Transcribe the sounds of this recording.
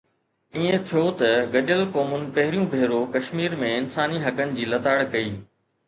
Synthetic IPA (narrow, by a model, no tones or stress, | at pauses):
iẽt̪ʰijot̪ɐɡɐɗəlkɔːmʊnɪ̆pɐɦɪɾijũbʱeːɾokɐʃmiːɾmẽɪnsaːniɦɐkənɪ̆d͡ʑiːlɐt̪aːɽkɐiː